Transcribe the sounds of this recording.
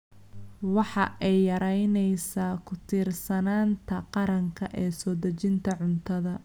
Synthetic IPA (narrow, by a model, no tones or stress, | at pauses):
wɑħɑʔɛjːɐɾɛjnɛjsaːkʰʊt̪ʰiːrsɐnaːnt̪ʰɐqɑɾɐŋkʰɐʔɛːsɔːd̪ɐt͡ʃɪnt̪ʰɐʕʊnt̪ʰɐðɐ